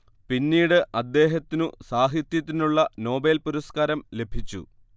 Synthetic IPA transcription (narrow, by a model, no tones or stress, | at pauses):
pinːiːɽɨʔɐd̪ːe̞ːɦɐt̪ːinusaːɦit̪jɐt̪ːinuɭːɐno̞ːbeːlpuɾɐskaːɾɐmle̞bʱit͡ɕːṵ